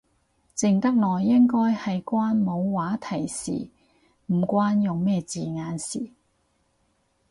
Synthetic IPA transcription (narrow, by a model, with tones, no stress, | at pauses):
t͡sɪ˨ŋt̪ɐ˥k̚lɔː˨˩jːɪ˥ŋkɔː˥jhɐ˨jkʷaː˥nmo˨˧wwaː˨˥t̪ʰɐ˨˩jsḭː˨˩ | m̩˨˩kʷaː˥njʊ˨ŋmɛː˥˧t͡siː˨ŋaː˨˧nsḭː˨